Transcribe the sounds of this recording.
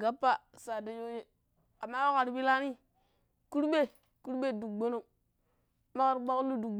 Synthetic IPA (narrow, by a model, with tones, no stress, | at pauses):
ɡa˦pːa˦sa˨da˦jo˦je˦ | a˨mːa˦wa˦ka˨ɾi˨bi˦la˦ni˦ | ku˦ɾbe˦ | ku˦ɾɓe˦˨du˨ɡ͡bo˦no˦ | ma˦ka˨ɾɡ͡ba˦klu˦du˨ɡ͡b